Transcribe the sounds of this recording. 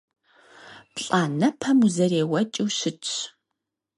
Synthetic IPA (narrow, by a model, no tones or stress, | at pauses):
pɬʼaːnɐpʰɐmuzɐreːwɐt͡ʃʼiwɕɪt͡ʃʰʼ